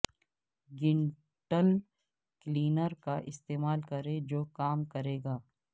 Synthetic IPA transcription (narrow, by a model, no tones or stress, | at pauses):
ɡɪɳ | ʈəl | kliːnəɾkaʔɪst̪eːmaːlkɐɾed͡ʒoːkaːmkɐɾeːɡaː